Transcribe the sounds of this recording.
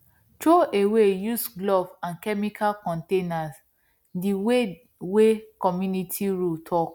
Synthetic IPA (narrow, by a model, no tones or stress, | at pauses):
tɹoʔewejusɡlɔvãnkɛmikʰalkɔ̃ntenas | diwe | wekɔmjunitʰiɹultʰɔk